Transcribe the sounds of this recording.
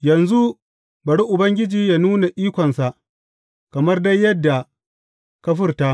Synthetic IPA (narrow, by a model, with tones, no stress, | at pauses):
jɐ˨nzu˦ | bɐ˨ɽi˦ʔʊ˨bɐ˦ŋɡʲɪ˦d͡ʒiː˨ja˦nuː˦na˨ʔiː˦kʷɔ˨nsa˨ʔ | kɐ˨mɐ˦rda˦jːɐ˦dːa˨ | kɐ˦ɸ̬ɪ˦rtaː˦